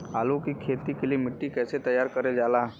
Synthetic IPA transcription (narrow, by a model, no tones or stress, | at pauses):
aːlokikʰeːt̪ikeliemɪʈːikɛːset̪ɐjaːɾkɐɾed͡ʒaːlaː